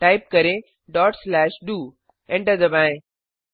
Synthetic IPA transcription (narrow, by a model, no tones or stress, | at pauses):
ʈaːɪp̚kɐɾẽ | ɖɔːʈslɛːʃɖuː | ẽɳʈəd̪ɐbãːẽ